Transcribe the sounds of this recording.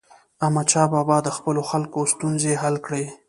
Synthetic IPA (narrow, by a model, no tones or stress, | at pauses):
amat͡ʃɑbɑbɑd̪əxpəloxalkost̪unzeɦalkɽe